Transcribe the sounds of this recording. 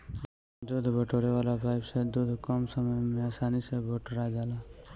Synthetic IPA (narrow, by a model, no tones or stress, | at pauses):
d̪ud̪ʱbʱəʈoːɽeʋaːlapaɪbsed̪ud̪ʱkɔmsəməmẽasaːnisebʱoʈoɾad͡ʒaːla